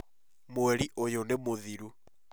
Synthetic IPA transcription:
moɛɾiʔojonemoðiɾu

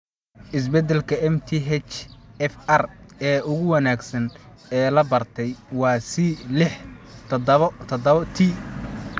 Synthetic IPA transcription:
ʔɪs̬bɛd̪ɛlkʰɐɛmt̪ʰiɦɛt͡ʃɛfɐrɛːʊɣʊwɑnaːɡsɐn | ɛːlɐbɐrt̪ʰɛjwɑːsilɪħt̪ʰt̪ʰd̪t̪ʰi

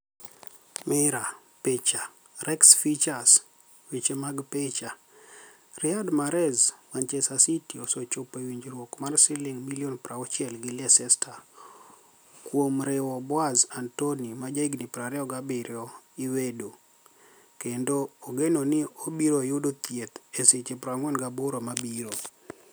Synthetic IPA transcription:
mɪɾa | pet͡ʃa | rʔɛksfit͡ʃas | wet͡ʃemaɡpet͡ʃa | rɪadmaɾɛzmant͡ʃɛsasitiosot͡ʃopewiɲd͡ʒɾwokmarsɪlɪŋmilionpɾaɔt͡ʃɛlɡɪliɛsɛstʰa | kwomɾɪwɔbɔazantonimad͡ʒaiɡnɪpɾaɾɛɔɡabɪɾjɔɪwedo | kendoːɡenonɪobiɾojʊdot̪jet̪eset͡ʃepɾaŋwɛnɡaboɾomabiɾo

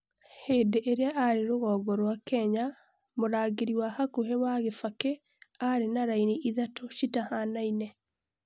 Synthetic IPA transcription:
heːdeʔeɾeaʔaɾeɾoɣɔːɡɔɾwakɛɲa | moɾaːɣeɾiwahakuhewaɣefake | aɾenaɾainiʔiðatoʃitahanainɛ

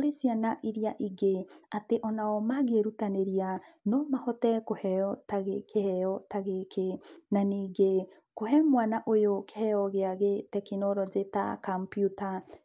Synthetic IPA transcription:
ɾesianaʔiɾiaʔiɡeateʔɔnaɔmaɡeɾutaneɾianɔmahɔtɛkohɛɔtaɣekehɛɔtaɣekenaniːɡe | kohɛmwanaʔojokehɛjɔɣeaɣetɛkenɔɾɔzeta̰kampjuta

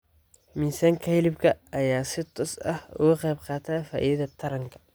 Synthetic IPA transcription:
miːsaːŋkʰɐhɪlɪbkʰɐɐjaːsɪt̪ʰɔːsɐhʊ̰ɣʊqɛjbqɑːt̪ʰaːfaːʔiːðɐt̪ʰɐɾɐŋkʰɐ̥

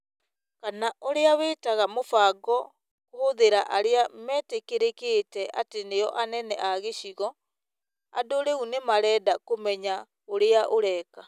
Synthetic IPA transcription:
kanaʔoɾeaweːtaɣamofaːɡɔ | kohoðeɾaʔaɾeamɛːtekeɾekeːtɛʔateneɔʔanɛnɛ̰ʔaɣeɕiɣɔ | a̰doɾeunemaɾɛːdakomɛɲa | oɾeaʔoɾɛːka

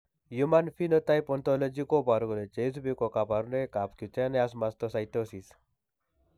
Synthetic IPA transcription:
jumanfinot̪ajpɔnt̪ɔləd͡ʒikobaɾuɡlet͡ʃes̬bikokapaɾunekapkut͡ʃeneas̬mast̪ɔsajt̪osis

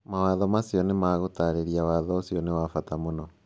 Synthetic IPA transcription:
mawaðɔmasjɔnemaɣotaɾeɾiawaðɔosjɔnewafatamonɔ

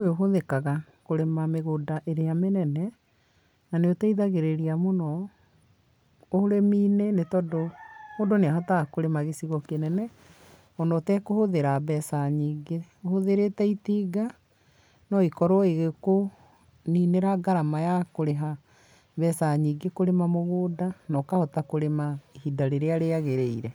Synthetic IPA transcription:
oɦoðekaɣa | koɾemameɣodaʔeɾeamenɛnɛ | naneotɛiðaɣeɾeɾiamonɔ | ohoɾemiːnenetɔdohodoneaɦatakoɾemaɣesiɣɔkenɛnɛ | ɔnɔtɛkohoðeɾabɛsaɲiɡeohoðeɾetɛitiːɡa | nɔikɔɾɔeɣeko | niːneɾaɡaɾamajakoɾeɦa | βɛsaɲiɡekoɾemamoɣoːdanɔːkahɔtakoɾemaehidaɾeɾeaɾeaɣeɾeiɾɛ

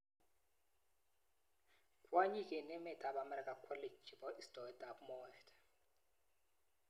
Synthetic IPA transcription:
kʼwaɲikʼɛnɛmɛtʰaɓamɛɾikʼakʰɔled͡ʒd͡ʒibɔʔistʼɔdabmɔɛtɛ

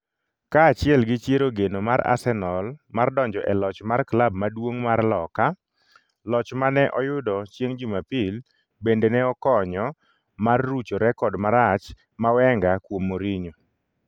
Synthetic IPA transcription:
kaːt͡ʃɪɛlɡɪt͡ʃjeɾoɡenomaɾa̰sɛnɔlmardɔɲd͡ʒɔʔɛlɔt͡ʃmarklab̚madwoŋmarlɔka | lɔt͡ʃmanɛʔɔjʊdɔt͡ʃjeŋd͡ʒʊmapil | bendenɛɔkɔɲɔ | marːut͡ʃoɾɛkɔdmaɾat͡ʃ | mawɛŋɡakwomːoɾiɲo

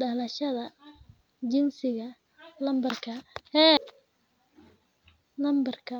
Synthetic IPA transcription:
ɖɐlɐʃɐðɐ | d͡ʒɪnsɪɣɐ | lɐmbɐrkʰɐhɛ | lɐmbɐrkʰɐ

